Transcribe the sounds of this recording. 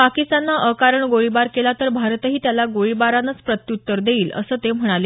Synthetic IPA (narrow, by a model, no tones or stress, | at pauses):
pakist̪anːaʔəkaɾəɳɡoɭibaɾkelat̪əɾbʱaɾt̪ɦiːt̪jalaɡoɭibaɾanət͡spɾət̪jut̪ːəɾd̪eiːlə̰səːt̪em̤əɽ̃ale